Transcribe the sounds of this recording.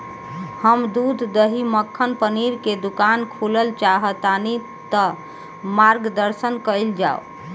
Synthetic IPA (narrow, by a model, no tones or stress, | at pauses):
həmd̪ud̪ːəɦiməkʰːənpəniɾked̪ukankʰuləlt͡ʃaɦət̪ani | t̪ə | maɾɡd̪əɾsənkəɪld͡ʒao̰